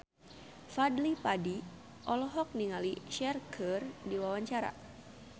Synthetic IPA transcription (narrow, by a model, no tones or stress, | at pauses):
fadlipadi | ʔɔlɔɦɔk̚niŋaliʃɛrkʰərdiwawaɲt͡ʃaɾa̰